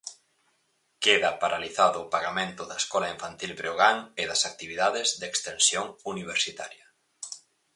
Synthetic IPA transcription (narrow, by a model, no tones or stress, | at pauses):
keðɐpaɾaliθaðʊːpaɣamẽnt̪ʊðɐeskɔlaiɱfant̪ilbɾeoɣaŋɪðɐsak̚t̪iβiðaðɪzðekst̪ensjoŋuniβ̞eɾsit̪aɾjɐ